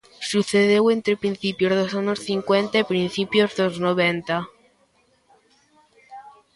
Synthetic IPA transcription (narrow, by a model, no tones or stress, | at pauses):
suθeðewent̪ɾepɾin̟θipjozðosaɲosθiŋkwent̪aepɾinθipjozðoznoβent̪a